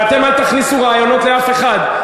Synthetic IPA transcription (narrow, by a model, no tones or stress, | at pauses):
at̪e̞malt̪aχnisuʁaːjono̞t̪leafe̞χad̪